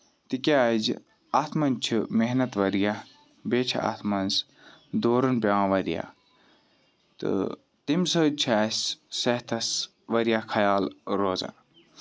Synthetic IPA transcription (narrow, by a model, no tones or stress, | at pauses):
t̪ikʲad͡ʒ | ɐt̪ʰmɐnt͡ʃʰimeɦnɐt̪ʋɐɾja | beːt͡ʃʰɐ̰t̪ʰmɐns | d̪oːɾɐnpʲãːʋɐɾija̰ | t̪ɨ̰ | t̪imsɐt͡ʃʰaːsːɐɦt̪ʰɐs | ʋɐɾijakʰɐjaːlɾoːza̰ː